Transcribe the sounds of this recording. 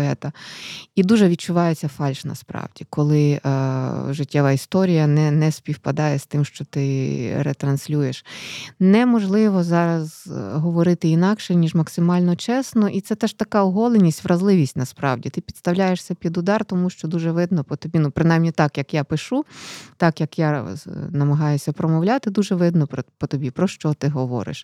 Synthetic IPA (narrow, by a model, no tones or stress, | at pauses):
ɛt̪ɐid̪uʒɛʋʲid̪̚t͡ʃʊʋɑjet͡sʲːɐfɑlʲʃnɐ̰spɾɑ̰wdʲikɔlˠɪ | ʒɪtʲːɛʋɐist̪ɔɾʲijɐnɛnɛsʲpʲiwpɐd̪ɑjɛst̪ɪmʃt͡ʃɔt̪ɪɾet̪ɾɐnsʲlʲujeʃnɛmɔʒlˠɪʋɔzɑɾɐzɦɔʋɔɾɪt̪ɪinɑkʃɛnʲiʒmɐksɪmɑlʲnɔt͡ʃɛsnɔʔit̪sɛt̪ɛʃt̪ɐkɑɔɦɔlˠenʲisʲtʲʋɾɐzlˠɪʋʲisʲtʲnɐspɾɑ̰wdʲit̪ɪpʲi̥d̪st̪ɐwlʲajeʂsʲɐpʲid̪ʊd̪ɑrt̪ɔmuʃt͡ʃɔd̪uʒɛʋɪd̪nɔpɔt̪ɔbʲinupɾɪnajmnʲit̪ɑkjɐkjapɪʃut̪ɑkjɐkjanɐmɐɦɑjʊsʲɐpɾɔmɔwlʲat̪ɪd̪uʒɛʋɪd̪nɔppɔt̪ɔbʲipɾɔʃt͡ʃɔt̪ɪɦɔʋɔ̰ɾɪ̰ʃ